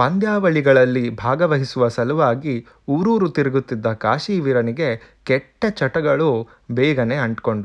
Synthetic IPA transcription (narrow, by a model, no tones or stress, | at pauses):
pɐnd̪jaːʋɐɭiɡɐɭɐlːibʱaːɡɐʋɐɦisuʋɐsɐlɐʋaːɡi | uːɾuːɾut̪iɾiɡut̪ːid̪ːɐkaːʂiːʋiɾɐniɡe̞kɛʈːɐt͡ʃɐʈɐɡɐɭu | bɛːɡɐneɐɳʈko̞ɳɖu